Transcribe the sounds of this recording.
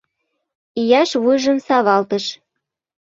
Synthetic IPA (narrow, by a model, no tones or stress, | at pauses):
ijɑʃβujʒə̆msɑβɑlt̪əʃ